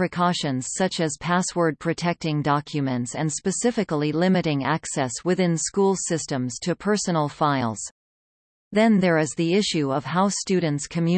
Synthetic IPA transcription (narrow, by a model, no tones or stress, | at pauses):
ɹɨkʰɔʃɨ̃nz̥sʌt͡ʃɨz̥pʰæswə˞d̚pʰɹ̥ɨtʰɛk̚tɪ̃ŋdɑkʰjɨmɨ̃ntsɨ̃nspɨsɪfɨkl̩ˠilɪ̃mɨɾɪ̃ŋæ̰ksɛswɨθɪ̃nskulˠsɪstə̃mz̥tʰɨpʰɜ˞sənl̩ˠfaɪlˠz̥ | ðɨ̃nðə˞ɪzðiɪʃʉʌv̥haʊstʉdⁿn̩tskʰɨmjʉ